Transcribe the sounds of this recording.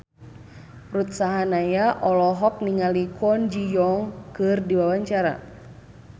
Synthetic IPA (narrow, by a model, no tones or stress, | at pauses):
rut̪̚saɦanajaʔɔlɔɦɔk̚niŋalikɔnd͡ʒijɔŋkɨrdiwawaɲt͡ʃaɾa̰